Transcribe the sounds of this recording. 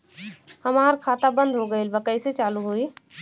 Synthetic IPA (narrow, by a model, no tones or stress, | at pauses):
həmaːɾkʰaːt̪abə̃nd̪ʱɦoɡəelbəkəjset͡ʃaːluɦui